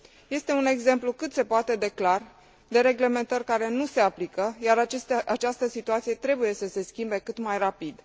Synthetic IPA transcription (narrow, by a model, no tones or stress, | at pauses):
je̞st̪e̞une̞ɡze̞mplukɨt̪se̞poat̪e̞d̪e̞klar | d̪e̞ɾe̞ɡle̞me̞nt̪ərʲkaɾe̞nuse̞aplikəjaɾaʔat͡ʃast̪əsit̪uat̪sije̞t̪ɾe̞buje̞səse̞skʲimbe̞kɨt̪majrapid̪